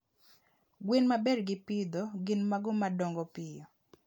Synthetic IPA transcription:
ɡwenmabɛɾɡɪpid̪ɔɡɪnmaɡɔmadɔŋɡɔpɪjɔ

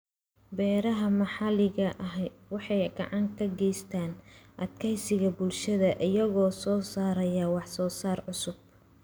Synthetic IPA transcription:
bɛːɾɐɦɐmɑħɑlɪɣɐʔɐɦwɑħɑjɡɑʕɑŋkʰɐɡɛjst̪ʰaːnʔɐd̪kʰɛjsɪɣɐbʊlʃɐðɐʔɪjɐɣɔːsɔːsaːɾɐjɐwɑħsɔːsaːrʕʊsʊb̚

